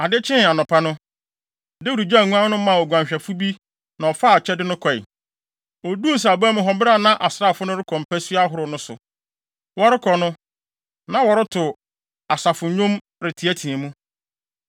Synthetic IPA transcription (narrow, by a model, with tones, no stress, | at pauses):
a˨dɪ˦t͡ɕʰɪ̃˦n˨a˨nɔ̃˨pʰa˦nʊ̃˦ | dɪ˦wu˨ɾi˨d͡ʑa˦˨ŋũ˦ã˦nʊ̃˦mã˨wɔ˨ɡʷã˨m˨ɕᶣɛ˨fʊ˦bi˦ | nã˨ɔ˨fa˦˨t͡ɕʰɛ˦dɪ˦nʊ̃˦kʰɔ˨ɪ̰˨ | ɔ˨du˦˨s̬a˨ba˦mʊ̃˦ɦɔ˨˦bɾa˦˨nã˦ʔa˨sɾa˦˨fʊ˦nʊ̃˦ɾɪ˦kʰɔ̃˨m̩˨pæ˦sɥa˦ɦʊ˦ɾʊ˨nʊ̃˦sʊ̰˨ | wɔ˦ɾɪ˦kʰɔ˨nʊ̃˦ | nã˨wɔ˨ɾɪ˦tʰʊ˨ | a˨sa˨fʊ˨˦ɲõ˦m | ɾɪ˨tʰi˨æ˦tʰĩ˨e˨mũ˦